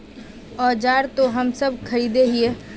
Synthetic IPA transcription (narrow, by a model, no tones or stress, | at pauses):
ɔːɾd͡ʒaːɾt̪oɦəmsəb̚kʰəɾiːd̪eɦie